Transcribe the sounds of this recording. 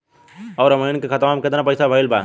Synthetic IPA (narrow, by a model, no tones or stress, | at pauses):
ɔːɾəməɪnkekʰət̪mamket̪napəɪsabʱəilba